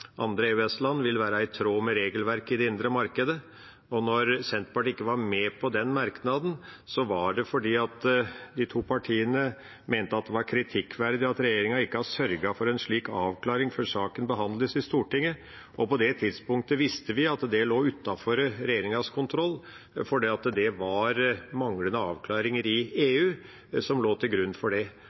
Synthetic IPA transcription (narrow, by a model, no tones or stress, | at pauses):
ʔɑ̰nd̪ɾeʉɛslɑnːʋɪlʋæːɾɑɪt̪ʰɾoːmɛɾeːɡəlʋæɾkɪd̪ɛɪnd̪ɾəmɑɾkəd̪ə | ɔnɔɾsɛnt̪pɑʈɪkːəʋɑɾmɛpʰɔd̪ɛnmɑɾknɑd̪n̩sɔʋɑɖɛfɔɖiːɑt̪d̪ɪt̪ʰuːpʰɑʈʰiːənə | meːnt̪əɑt̪̚d̪ɛʋɑɾkʰɾɪt̪ʰɪkʰːʋæɾd̪ɪɑt̪ɾɛjeːɾɪŋɑɪkːəɑsœɾɡɑfɔɾɛnʂɭiːkɑːʋkʰlɑːɾɪŋfɔɾʂɑːkənbəɦɑnd̪ləsɪst̪uːʈɪŋːə | ʔɔpɔd̪ɛt̪ʰɪd̪spʊŋk̚t̪əʋɪst̪əʋɪɑt̪d̪ɛloːʉt̪ːɑfɔɾɾɛjeːɾɪŋɑskʰʊnt̪ʰɾɔlː | fɔɖiːɑt̪d̪ɛʋɑɾmɑŋlənəɑːʋkʰlɑːɾɪŋəɾɪeːʉː | sɔmloːt̪ʰɪlɡɾʉnːfɔɖɛ